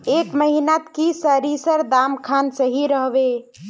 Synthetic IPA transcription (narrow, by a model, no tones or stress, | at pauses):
ekməɦinat̪kisəɾisəɾd̪amkʰansəɦiɾəɦbe